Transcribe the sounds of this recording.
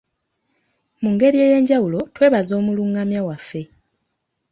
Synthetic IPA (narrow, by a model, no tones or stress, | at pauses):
muŋɡe̞ɾie̞ːje̞ːɲɟawulo̞twe̞ːβazo̞ːmuluːŋɡamjawafːe̞